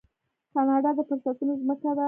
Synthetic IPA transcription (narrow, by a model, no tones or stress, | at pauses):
kɑnɑɖɑd̪əfʊɾsat̪unozməkad̪a